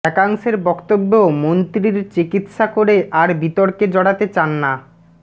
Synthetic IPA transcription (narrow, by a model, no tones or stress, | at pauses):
ɛkaŋʃeɾbɔkt̪obːoomont̪ɾiɾt͡ɕikit̪ʃakoɾeʔaɾbit̪ɔɾked͡ʑɔɽat̪et͡ɕanːa